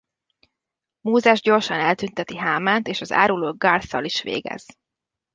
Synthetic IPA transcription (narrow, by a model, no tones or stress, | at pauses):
moːzɛʒɟo̞rʃɒnɛlt̪ynt̪ɛt̪iɦaːmaːnt̪eːʃɒza̰ːɾuloːɡaːrsɒ̰liʃʋḛːɡɛ̰z̥